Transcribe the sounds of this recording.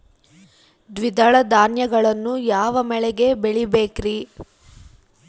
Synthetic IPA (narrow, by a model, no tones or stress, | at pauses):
d̪ʋid̪ɐɭɐd̪aːnjɐɡɐɭɐnːujaːʋɐmɛɭɛɡe̞beɭibeːkɾi